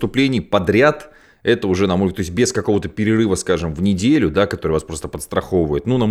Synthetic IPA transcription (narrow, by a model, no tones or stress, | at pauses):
t̪ʊplʲenʲɪjpɐd̪ɾʲat̪ | ɛt̪əʊʐɛnɐmot̪o̞ɪsʲt̪̚ʲbʲɪskɐko̞vət̪əpʲɪɾʲɪrɨvəskaʐɨmvnʲɪdʲelʲʊd̪akɐt̪o̞ɾɨjvaspɾo̞st̪əpət̪st̪ɾɐxovəjɪt̪nunɐ